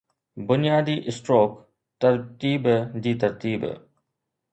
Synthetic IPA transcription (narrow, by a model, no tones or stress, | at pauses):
bʊnijaːd̪iːʔɪsʈɾoːk | t̪ɐɾt̪iːbd͡ʑiːt̪ɐɾt̪iːb̰